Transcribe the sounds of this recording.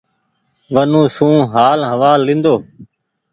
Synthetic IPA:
ʋənũːsũːɦaːlɦəʋaːlːɪ̃ːnd̪oː

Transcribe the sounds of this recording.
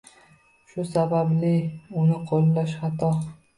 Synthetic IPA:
ʃʊsabablɪʊnɪqʰolːaʃχɑt̪ʰɒ

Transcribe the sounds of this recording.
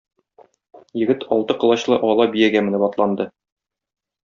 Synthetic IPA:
jɘ̆ɡɘt̪ʰɒlˠt̪ɤqɤ̆lˠɑɕlˠɤʔɒlˠɑbijæɡæmɘ̆nɘbɒt̪lˠɑnd̪ɤ

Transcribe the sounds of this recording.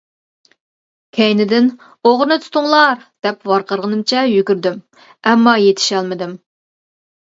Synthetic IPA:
kʲʰɛjnɪd̪ɪn | oʁɾɨnɨt̪ʰu̥t̪ʰʊŋlˠɑɾd̪̥ɛpwɑɾqʰəɾʁənɨmt͡ʃʰɛjykʲyɾd̪ym | ɛmːɑjet̪ʰɪ̥ʃɛlˠmɨd̪ɪm

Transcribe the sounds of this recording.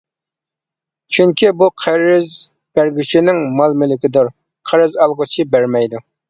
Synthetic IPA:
t͡ʃʰyŋkʲibuqʰəɾɪz | b̥æɾɡʲit͡ʃʰinɪŋmɑlˠmɪlɪkʲʰɪd̪uɾ | qʰəɾɨzɑlˠʁət͡ʃʰibæɾmɛjd̪u

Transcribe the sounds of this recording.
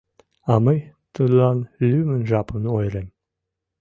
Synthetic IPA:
ɑməjt̪ɯlɑnlʲymɘ̆nʒɑpənojɾem

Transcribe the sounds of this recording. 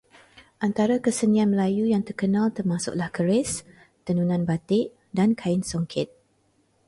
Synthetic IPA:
ʔant̪aɾakəsənianməlajujaŋt̪ərkənãlt̪ərmasʊ̰ʔ̚lahkəɾɪs | t̪ənunãnbat̪ɪʔ | dankʰaɪnsɔŋkʰɪt̪̚

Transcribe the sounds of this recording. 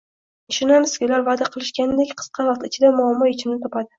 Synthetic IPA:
ɪʃʊnamɪskʲʊlaɾvad̪aqʰɨlˠɪʃkʲand̪ekʲqʰɨ̥sqʰɑvɑqt̪ɪt͡ʃʰɪd̪amʊamːɒɪt͡ʃʰɪmnɪt̪ʰɒpad̪ɪ

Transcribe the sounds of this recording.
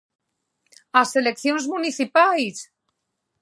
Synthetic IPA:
aselekθjonzmuniθipajs

